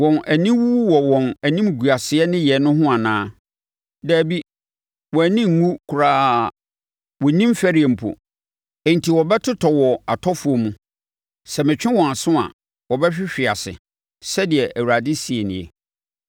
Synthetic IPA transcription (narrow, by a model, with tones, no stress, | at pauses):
wɔ̃˨næ˨nĩ˦wu˦wɔ˨wɔ̃˨næ˨nĩ˦m˨ɡu˨a˨sɪ˨ɛ˦nɪ̃˦jɛ˨nʊ̃˦ɦʊ̃˦a˨nãː˦ | dæː˨bi˦ | wɔ˨æ˨nĩ˦ŋ˨ŋũ˦kʰu˨ɾaː˦˨ | wɔ˨˦nĩ˦m˦fæ˦ɾi˨˦ɛ˨m̩˨pʰo̰˨ | ɛ̃˨n̩˨tʰi˨wɔ˨bɛ˦tʰʊ˦tʰɔ˨wɔ˨a˨tʰɔ˦fʊ˨˦o˨mũ˨ | sɛ˨mɪ̃˨t͡ɕᶣɪ̃˦wɔ̃˨a˨sʊ̃˦a̰˨ | wɔ˨bɛ˦ɕᶣɪ˦ɕᶣɪ˨a˨sɪ̰˨ | sɛ˦dɪ˨ɛ˨ʔæ˨wu˨ɾa˨dɪ˦si˨e˨nɪ̰̃˨ɛ̰˨